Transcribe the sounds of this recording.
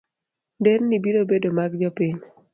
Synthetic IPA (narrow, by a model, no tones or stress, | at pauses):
ndennibinobedomaɡd͡ʒɔpɪɲ